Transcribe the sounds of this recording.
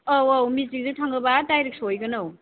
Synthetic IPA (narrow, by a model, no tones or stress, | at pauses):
awawmizik̚dutʰaŋɡɐbatajɾik̚sojɡɐnaw